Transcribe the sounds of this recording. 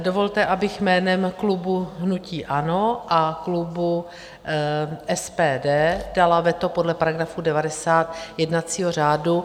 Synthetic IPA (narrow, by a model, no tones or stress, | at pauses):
do̞vo̞lt̪ɛʔabɪxmɛːnɛmklubuɦnuciːʔano̞ʔaklubu | ʔɛspɛːdɛːd̥alavɛt̪o̞po̞dlɛpaɾaɡɾafuːdɛvadɛsaːt̪jɛdnat͡siːɦor̝aːdu